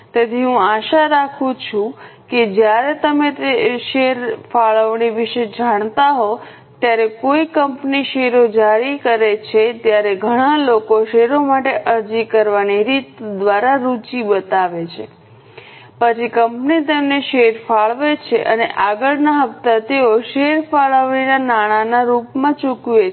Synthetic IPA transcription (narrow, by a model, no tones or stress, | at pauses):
t̪et̪ʰiɦũaʃaɾakʰũt͡ʃʰũked͡ʒjaɾet̪əmet̪eʃeɾfaɭəʋɳiʋiʃed͡ʒaɳ̃t̪aɦo | t̪jaɾekoikəmpniʃeɾod͡ʒaɾikəɾet͡ʃʰet̪jaɾeɡʱəɽ̃alokoʃeɾomaʈeʔəɾd͡ʒikəɾʋaniɾit̪d̪ʋaɾaɾut͡ʃibət̪aʋet͡ʃʰe | pət͡ʃʰikəmpnit̪emneʃeɾfaɭʋet͡ʃʰeʔə̰neʔaɡəɭnaɦəft̪at̪eoʃeɾfaɭəʋɳinanaɽ̃anaɾupmãt͡ʃukʋe